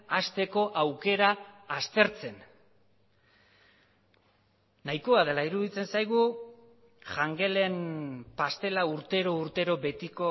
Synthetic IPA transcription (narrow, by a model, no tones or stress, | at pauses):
ast̪e̞ko̞ʔawke̞ɾaːst̪e̞ɾt͡se̞n | ajko̞að̞e̞laiɾuðit͡se̞nsajɣ̞u | ʝaŋɡe̞le̞mpast̪e̞lauɾt̪e̞ɾo̞uɾt̪e̞ɾo̞be̞t̪iko̞